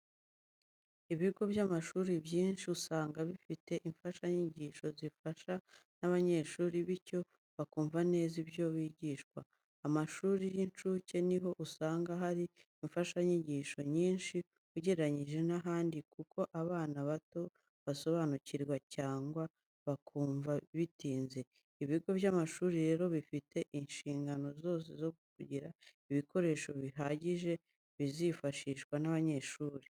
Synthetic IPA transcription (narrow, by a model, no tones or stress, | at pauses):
iβiɡo̞βjamaʃuːɾibjiːnʃiusaːŋɡaβifite̞ʔiɱfaʃaɲiɟiːʃo̞zifaʃanaβaɲe̞ːʃuːɾiβico̞ | βakuːɱvane̞ːzibjo̞βiːɟiʃkwaː | maʃuːɾijint͡ʃuce̞niɦo̞ʔusaːŋɡaɦaɾiiɱfaʃaɲiɟiʃo̞ɲiːnʃi | uɟeɾaɲiʒe̞naɦaːndikukʰo̞ʔaβaːnaβato̞ | βaso̞βanuciɾɡwacaːŋɡwa | βakʰuːɱvaβitiːnze̞ | iβiɡo̞βjamaʃuːɾiɾe̞ːɾo̞βifite̞ʔinʃiːŋɡano̞zo̞ːs̬ezo̞kukuɟiɾaiβiko̞ɾe̞ːʃo̞βiɦaɟiʒe̞ | βizifaʃiːʃkwanaβaɲe̞ʃuːɾe